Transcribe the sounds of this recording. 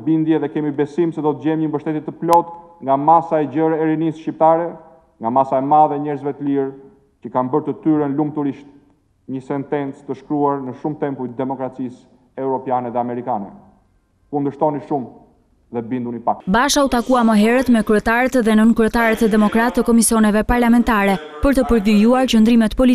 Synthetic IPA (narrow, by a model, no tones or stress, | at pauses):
bind̪jɛðɛkɛmibɛsimsɛd̪ɔt̪əd͡ʑɛmɲəmbəʃt̪ɛt̪it̪ːəplɔt̪ | ŋɡamasaɛɟəɾɛɾinisʃcip̚t̪aɾɛ | ŋɡamasaɛmaðɛɲɛɾzvɛt̪əliɾ | cəkanbəɾt̪ət̪yɾənlumt̪uɾiʃt̪ | ɲəsɛnt̪ɛnt͡st̪əʃkɾuaɾnəʃumt̪ɛmpujt̪d̪ɛmɔkɾat͡sis | ɛɾɔpjanɛðɛamɛɾikanɛ | kund̪əʃt̪ɔniʃum | ðɛbind̪unipakbaʃaut̪akuaməɦɛɾɛt̪mɛkɾyɛt̪aɾɛt̪ðɛnənkɾyɛt̪aɾɛt̪əd̪ɛmɔkɾat̪ːəkɔmisiɔnɛvɛpaɾlamɛnt̪aɾɛ | pəɾt̪əpəɾvijuaɾt͡ɕənd̪ɾimɛt̪pɔli